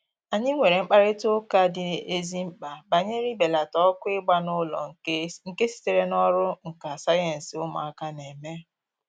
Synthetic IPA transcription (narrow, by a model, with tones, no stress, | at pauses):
a˨ɲɪ˦ŋʷe˨ɾe˨ŋ͡m̩˦k͡pa˦ɾɪ˦to˦ka˦dɪ˦e˦zi˦m̩˦k͡pa˨ba˨ɲe˦ɾi˦be˨la˨tɔ˦kʷʊ˦ɪ˦ɡ͡ba˦nʊ˦lɔ̰˨ŋ̩˨˦ŋ̩˨ke˦si̥˨te˨ɾe˦nɔ˦ɾʊ˦ŋ̩˨ka˨sa˦je˨n̩˨sɪ˨ʊ˦ma̰˨a˦ka˦ne˨me˦